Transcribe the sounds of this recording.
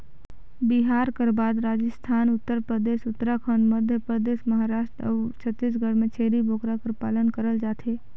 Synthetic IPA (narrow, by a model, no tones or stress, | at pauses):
bɪɦaːɾkəɾbaːd̪ɾaːd͡ʒəst̪ʰaːnʊt̪ːəɾpɾəd̪eːʃʊt̪ːəɾakʰəɳməd̪ʱjəpɾəd̪eːʃməɦaɾaːʃʈɾə̰ʋt͡ʃʰət̪ːɪsɡʱəɽmẽt͡ʃʰeːɾibʱoːkɾakəɾpaːlənkəɾəld͡ʒaːt̪ʰeː